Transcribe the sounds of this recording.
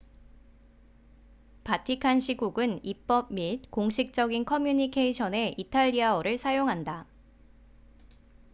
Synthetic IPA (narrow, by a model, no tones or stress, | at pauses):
patʰikʰanɕʰiɡuɡɯnip͈ʌb̚mit̚koŋɕʰik̚t͡ɕ͈ʌɡinkʰʌmjuɲikʰe̞iɕʰʌne̞ʔitʰaʎːiaʌɾɯɭsʰajoŋɦanda